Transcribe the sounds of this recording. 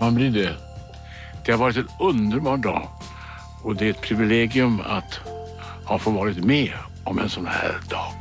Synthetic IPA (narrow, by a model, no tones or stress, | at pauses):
anblɪɖɛ | d̪̥ɛhaɾvɑːɾɪt̪ɛnɵnd̪əɾbɑːɖɑ̰ː | ɔd̪ɛæɾɛt̪̚pʰɾɪvɪleːɡɪɵma̰t̪ | hɑːfovɑːɾɪt̪meː | ɔmɛ̰nsɔnhæ̰ːɾɖɑ̰ːɡ